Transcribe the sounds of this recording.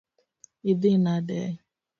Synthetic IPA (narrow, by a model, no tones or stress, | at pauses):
idɪnadḛ